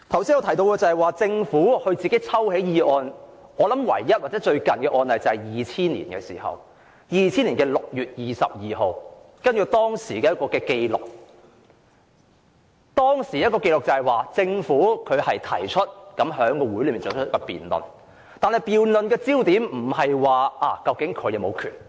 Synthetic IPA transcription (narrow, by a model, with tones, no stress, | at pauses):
t̪ʰɐ˨˩wsiː˥nŋɔː˧t̪ʰɐ˨˩jt̪o˧wkɛː˧t͡sɐ˨hɐ˨jwaː˨t͡sɪ˧ŋfuː˨˥hɵ˧t͡siː˨˩ke˨˥jt͡sʰɐ˥whe˨˥jjiː˨˧ʔɔː˧nɔː˨˧lɐ˨˥mwɐ̰˨˩jːɐ˥t̚wa˨˩t͡sɛː˨˥t͡ʃɵ˧ɥkɐ˨nkɛː˧ʔɔː˧nlɐ˨jt͡sɐ˨˩hɐ˨jjiː˨t͡sʰiː˥nlḭː˨˩nkɛ̰ː˧sḭː˨˩hɐ̰˨˩w | jiː˨t͡sʰiː˥niː˨˩nkɛː˧lʊ˨k̚jyː˨˩t̚jiː˨sɐ̰˨p̚jiː˨ɦo˨˧w | kɐ˥nɥy˨t̪ɔː˥ŋsiː˨˩kɛː˧˥ɐ˥kɔː˧kɛː˧ke˧jlʊ̰˨˩k̚ | t̪ɔː˥ŋsiː˨˩jɐ˥t̚kɔː˧ke˧jlʊ˨k̚t͡sɐ˨hɐ˨˩jwaː˨t͡sɪ˧ŋfuː˨˥kʰɵ˨˧ɥhɐ˨jt̪ʰɐ̰˨˩jt͡ʃʰɵ˥t̚kɐ˨˥mɦœː˨˥ŋkɔː˧wuː˨˥jlːmiː˨˩t͡sɔ˨˥t͡ʃʰt̚kɔ˧pḭː˨nlɵ̰˨˩n | t̪aː˨nhɐ˨jpiː˨wlɵ˨nkɛː˧t͡siː˥wt̪iː˨˥mm̩˨˩hɐ˨jwaː˨˧ʔaː˨˩kɐ˧wkɪ˨˥ŋkʰɵ˨˧jɐ˨˧wmo˨˧wkʰy̰ː˨˩n